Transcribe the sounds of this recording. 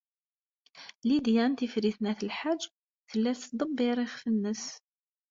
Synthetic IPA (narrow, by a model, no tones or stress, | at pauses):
lid̪jænt̪ifɾiθnæθəlħad͡ʒː | θəlːæθd̪ˤəbːɪɾˤɪχfənːəs